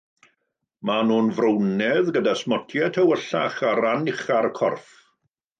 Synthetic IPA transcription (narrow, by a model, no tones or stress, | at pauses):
manuːnvrəwnɛðɡədasmɔtʰjɛtʰəwəɬaχaɾanɪχaɾkʰɔ̰rθ